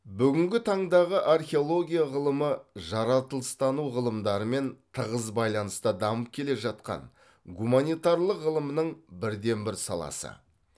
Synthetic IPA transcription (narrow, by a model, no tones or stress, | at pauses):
bʏɡʲɪŋɡʲɪt̪ʰɑɴd̪ɑʁəʔarχʲeo̞lˠo̞ɡʲijaʁəlˠəməʒɑɾɑt̪əlˠəst̪ɑnuʁəlˠəmd̪ɑɾəme̞nt̪ʰəʁəzbɑjlˠɑnəst̪əd̪ɑməp̚kʲʰe̞le̞ʒɑt̪qɑ̰n | ɡumanijt̪ɑɾlˠəqʁəlˠəmənəɴbɪɾd̪e̞nbɪɾsɑ̰lˠɑ̰sə̰